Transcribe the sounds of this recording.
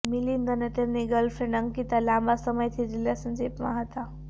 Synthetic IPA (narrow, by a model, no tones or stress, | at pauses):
milind̪ənet̪eɾniɡəlfʰɾenɖəŋɡkit̪alaːmbasəməjt̪ʰiziljasənd͡ʒepma̰ɦɐt̪a